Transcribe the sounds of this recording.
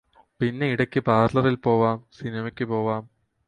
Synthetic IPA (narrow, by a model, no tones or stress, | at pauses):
pinːe̞iɽɐkʲːɨpaːɾrlɐðilpo̞ːʋaːmsinimɐkʲːɨpo̞ːʋaːm